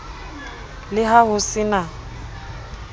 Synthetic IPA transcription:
lɪɦahʊsɪna

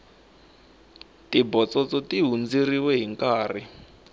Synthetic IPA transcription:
tibɔt͡sɔt͡sɔtiɦund͡ziriwɛɦiŋkaːri

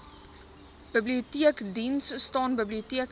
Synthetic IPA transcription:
b̥əbliutiəkdinsːtɑːnbəbliutiək

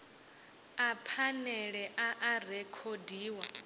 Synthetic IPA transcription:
apʰanɛɺɛʔaʔarɛkʰodiːwa

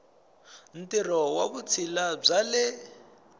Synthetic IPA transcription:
n̩tiɾɔwaβut͡sʰilab͡ʐalɪ

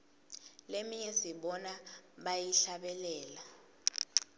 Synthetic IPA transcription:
lemiɲɛsiɓɔnaɓajiɬaɓɛlɛːla

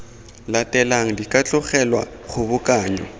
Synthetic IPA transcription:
latʼɛlaŋ̩dikʼat͡ɬʼʊχɛlwa̰ | χʊbʊkʼaːɲɔ̰

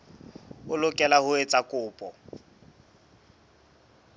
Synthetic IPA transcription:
ʊlʊkʼɛlahʊet͡sʼakʼʊːpʼɔ

